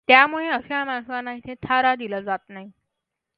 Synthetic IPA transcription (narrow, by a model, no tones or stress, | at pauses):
t̪jamuɭeəsjamaŋsanait̪ʰet̪ʰaɾad̪iləd͡zat̪naɦi